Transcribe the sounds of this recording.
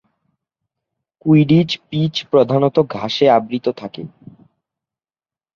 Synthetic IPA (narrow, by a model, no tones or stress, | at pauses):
kujɖid͡ʑpit͡ɕpɾod̪ʱanot̪oɡʱaʃeabɾit̪ot̪ʰakḛ